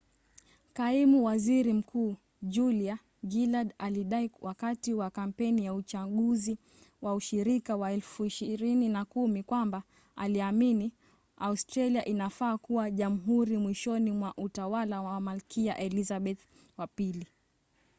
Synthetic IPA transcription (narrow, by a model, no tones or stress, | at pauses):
kaimuwaziɾim̩kʰuː | d͡ʒulia | ɡiladaliɗaiwʔakatiwakam̩pɛnijaut͡ʃaɠuzi | wauʃiɾikawaɛlfuiʃiɾininakumikwamba | a̰liamini | austɾaliaʔinafaːkuwaʄam̩ɦuɾimwiʃɔnimwaʔutawalawamalkʰia̰ʔɛlizaɓɛθ | wapili